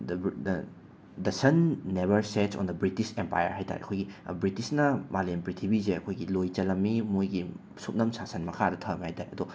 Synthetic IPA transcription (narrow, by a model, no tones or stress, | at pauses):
d | dɐsɐnːeβɐɾsetsɔ̰ndɐbɾitisempa̰jɐ̰ɾɦajtʰa̰ɾḛʔɐ̰kʰojɡibɾitisnɐmalempɾitʰibizeɐkʰojɡilojt͡ʃɐlɐmːimojɡi | sut̚nɐmsasɐnmɐkʰadɐtʰɐmhajtʰaɾeʔɐdɔ